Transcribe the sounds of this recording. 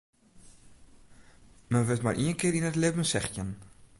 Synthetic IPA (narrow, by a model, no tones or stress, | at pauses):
mənvətma̰rʔiənkɪːɾinətlevənsɛχtən